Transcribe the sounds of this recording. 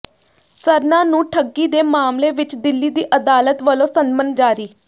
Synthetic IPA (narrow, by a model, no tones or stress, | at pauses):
səɾnãːnũːʈʰəɡːiːd̪eːmaːmleːʋɪt͡ʃd̪ɪlːiːd̪iːʔəd̪aːlət̪ʋəlõːsənmənd͡ʒaːɾiː